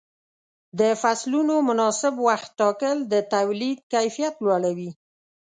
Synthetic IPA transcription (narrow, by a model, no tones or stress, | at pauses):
d̪əfaslunomʊnɑsɪbwaxt̪̚ːɑkəld̪ət̪awlid̪̚kajfijat̪lwɑɽawi